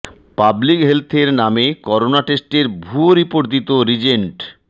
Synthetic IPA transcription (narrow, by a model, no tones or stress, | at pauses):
pablikɦelt̪ʰeɾnamekɔɾonaʈesʈeɾbʱuoɾipoɾd̪it̪oɾid͡ʑeɳʈ